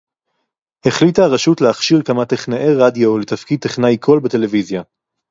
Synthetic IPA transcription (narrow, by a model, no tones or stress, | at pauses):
he̞χlitaʁeʃutleaχʃiʁkamateχnaʔeʁadjo̞let̪afkid̪̚t̪eχnajkʰo̞lbete̞le̞vizja